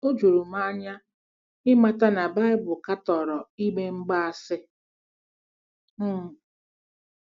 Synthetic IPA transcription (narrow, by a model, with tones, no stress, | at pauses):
o˦d͡ʒu˨ɾu˨ma˦ɲa˦ | ɪ˦ma˦ta˦na˨ba˦ɪ˦bʊ˨ka˦tɔ˨ɾɔ˨i˦ɡ͡be˦ŋ͡m̩˦ɡ͡ba˦a˨sɪ˦˨